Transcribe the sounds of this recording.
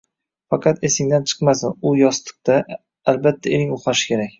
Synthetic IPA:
fɑqʰɑt̪esɪŋd̪ant͡ʃʰɨ̥qmasɪnʊjɒst̪ɨ̥q̚t̪a | albat̪ʰːaeɾɪŋʊχaʃɪ̥kʲʰe̞ɾakʲ

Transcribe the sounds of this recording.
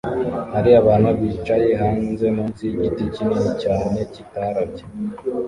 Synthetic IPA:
haɾiaβaːnuβit͡ʃajeɦanze̞muːnziɟiticininicaːne̞citaɾabɟe̥

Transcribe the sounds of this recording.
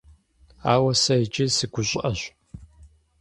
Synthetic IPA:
aːwɐsɐɪt͡ʃʼɪsɨɡʷʊɕʼʔɐɕʷ

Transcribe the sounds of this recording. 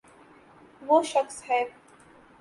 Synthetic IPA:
ʋoːʃəksɦɛː

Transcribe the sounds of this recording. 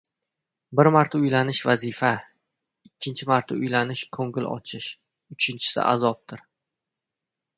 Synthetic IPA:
bɪɾmaɾt̪ʰaʊjlanɪʃvazɪfa | ɪkʲʰːɪnt͡ʃʰɪmaɾt̪ʰaʊjlanɪʃkʰɵŋɡɪlɒ̰t͡ʃʰɪʃ | ʊt͡ʃʰɪnt͡ʃʰɪ̥sɪ̰ʔa̰zɒp̚t̪ʰɪɾ

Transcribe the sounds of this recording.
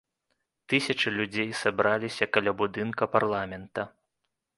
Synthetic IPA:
t̪ɨsʲɐt͡ʂɨlʲud͡zʲejsabɾalʲisʲɐkɐlʲabud̪ɨnkɐparlˠamʲɛnt̪ɐ

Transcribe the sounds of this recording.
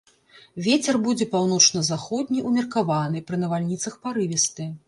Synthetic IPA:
vʲet͡sʲɛrbud͡zʲɛpawnɔt͡ʂnɐzaxɔd̪ʲnʲiʔumʲɛrkavanɨpɾɨnɐvalʲnʲit̪sɐxpaɾɨvʲɛst̪ɨ

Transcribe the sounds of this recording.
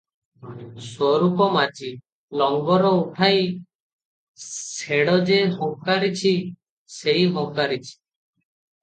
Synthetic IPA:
swɔɾupɔmad͡ʒi | lɔŋɡɔɾɔuʈʰaj | seɽɔd͡ʒeɦɔŋkaɾit͡ʃʰi | seiɦɔŋkaɾit͡ʃʰi̥

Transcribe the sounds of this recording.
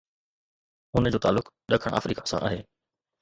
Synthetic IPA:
ʊnd͡ʑoːt̪aːlːʊk | ɗɐkʰəɽ̃ʔa̰ːfɾiːkḁsã̰ʔaːɦeː

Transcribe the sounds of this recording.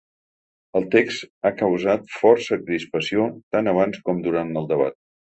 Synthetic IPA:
əlˠt̪ekst̪akəwzat̪fɔrsəkɾispəsiot̪anəβ̞anskɔmd̪uɾant̪əlˠd̪əβa̰t̪̚

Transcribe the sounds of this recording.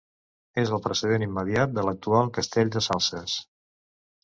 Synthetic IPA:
ezəlˠpɾəsəð̞enimːəðiat̪̚d̪ələk̚t̪ualˠkəst̪eʎd̪əsalˠsəs

